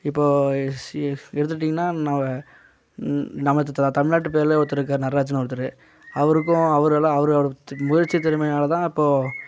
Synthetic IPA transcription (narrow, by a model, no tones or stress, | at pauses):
ɪpːoː | ɛɽɯt̪̬ːɯʈːiːŋɡɐnːaːnamɐ | nɐmːɐt̪t̪ɐmɪɭnaːʈːɯp̬eːɾleːɔt̪ːɯɾɯk̬ːaːɾnɐraːt͡ʃɐnɐ̃ɛɽɯt̪ːɯɾɯ | ɐʋɐɾɯk̬ːʊ̃ɐʋɐɾɐlãɐʋɐɾɐmʊjɐɾt͡ʃːiɐt̪ɛɾɯmɐɪnaːlɐt̪ãːɪpːoː